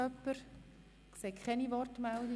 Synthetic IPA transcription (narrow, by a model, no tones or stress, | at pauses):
œpːəɾ | kseːkʰχɛniʋɔrtmɛld̪i